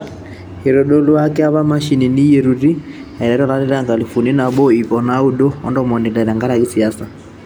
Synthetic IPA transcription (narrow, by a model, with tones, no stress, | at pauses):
he˨ɾo˨ɗo˦lo˦a˦kɛ˦a˦βa˦ma˦ʃi˨ni˨ni˦je˨ɾu˨ɾi˦a˨i˨ɾa˨˦ɾɔ˦˨la˨˦ɾi˦ɾa˦ŋɡa˨li˨fu˨ni˦na˨bɔ˦i˨kɔ˨na˦u˦do˦ɔ̰˦ndɔ˦mɔ˨ni˨da˨ɾa˨ŋɡa˦ɾa˨ɣi˦si˨a˦sa˨